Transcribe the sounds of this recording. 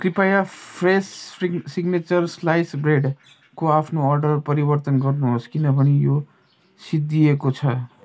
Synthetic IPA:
kripajapʰressiɡnet͡sʌrslajsbreɖ | koapʰnoʌrɖʌrpʌɾibʌrt̪ʌnɡʌrnuɦoskinʌbʱʌnijo | sid̪ːiekot͡sʰʌ

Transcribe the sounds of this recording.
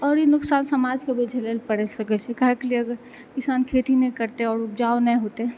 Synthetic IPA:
ɔɾjinuksansəmad͡ʒkebed͡ʒʱelelpəɽɛsəkɛt͡ʃʰɛkəɦɛkliəɡəɾ | kisankʰet̪inɛkəɾt̪eɔːɾupd͡ʒaonɛɦot̪e

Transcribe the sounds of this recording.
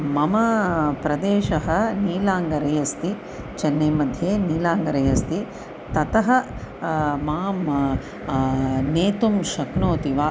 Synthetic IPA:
mɐmɐpɾɐd̪eːʃɐɦɐ̆niːlaːŋɡɐɾɐjɐst̪i | t͡ʃɐnːɐjmɐd̪ʱjeːniːlaːŋɡɐɾɐjɐst̪i | t̪ɐt̪ɐɦɐ | maːm | neːt̪umʃɐknoːt̪iʋaː

